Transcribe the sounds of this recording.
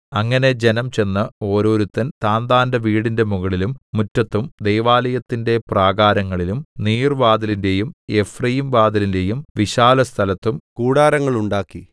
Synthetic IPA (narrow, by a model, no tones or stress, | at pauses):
ɐŋːɐne̞d͡ʑe̞nɐmt͡ɕe̞nːɨo̞ːɾo̞ːɾut̪ːɐnt̪aːnd̪aːndɐʋiːɽinde̞muɣɐɭilumːutːɐt̪ːumd̪e̞jʋaːlɐjɐt̪ːinde̞praːɡaːɾɐŋːɐɭilumniːrʋaːd̪ɐlinde̞jume̞frɐjimʋaːd̪ɐlinde̞jumʋiɕaːlɐst̪ʰɐlɐt̪ːumkuːɽaːɾɐŋːɐɭuɳɖaːkːi